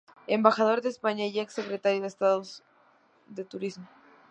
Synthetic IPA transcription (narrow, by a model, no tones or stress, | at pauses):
embaxað̞o̞ɾðespaɲaieksːe̞kɾet̪aɾjoðest̪aðoz | ðe̞t̪uɾizmo